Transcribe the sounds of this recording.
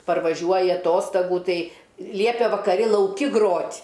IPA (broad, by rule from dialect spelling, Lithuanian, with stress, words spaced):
pɐrʋɐˈʒʲuɔjɪ ɐˈtoːstɐɡuː ˈtɐɪ ˈlʲiɛpʲeː ʋɐkɐˈrʲɪ lˠɐʊˈkʲɪ ˈɡroːtʲ